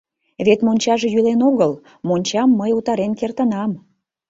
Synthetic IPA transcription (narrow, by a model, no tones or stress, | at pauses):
βet̪monʲt͡ɕɑʒe̽jylenoɣəl | monʲt͡ɕɑmːəjut̪ɑɾenkert̪ənɑm